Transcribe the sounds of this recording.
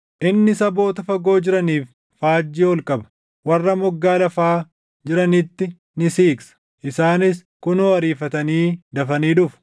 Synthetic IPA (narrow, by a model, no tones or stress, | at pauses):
ʔɪnːɪsɐbo̞ːt̪ɐfɐɡo̞ːd͡ʒɪɾɐniːf | faːd͡ʒːiːɔlkʼɐbɐ̥ | wɐrːɐmʊɡːaːlɐfaː | d͡ʒɪɾɐnɪt̪ːɪ | nɪsiːksɐ̥ | ʔɪsaːnɪskʊnoɐɾiːfɐt̪ɐniːd̪ɐfɐniːᶑʊf